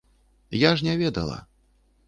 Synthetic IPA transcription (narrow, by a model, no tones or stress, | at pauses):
jaʐnʲɛvʲɛd̪ɐ̰lˠɐ̰